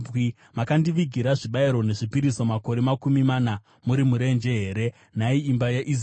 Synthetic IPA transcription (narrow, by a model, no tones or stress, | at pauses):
i | makandiʋiɡʱiɾaʐiɓaiɾo̞ne̞ʐipiɾiso̞mako̞ɾe̞makumimaːna | muɾimuɾe̞nd͡ʒe̞ɦe̞ːɾe̞ | naiːmbajaʔiz